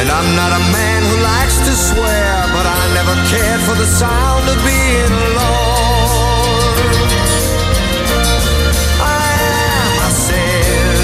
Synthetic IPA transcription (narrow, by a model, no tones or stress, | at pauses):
ɨ̃nãɪ̃mnəɾəmæ̃nhulaɪkstʰɨswɛɹ | bʌɾaɪnɛvə˞kʰɛɹd̥fə˞ðəsãʊ̃ndʌvbi | ɪ̃ŋəloʊ | n | aɪɨ̃ | məsɛ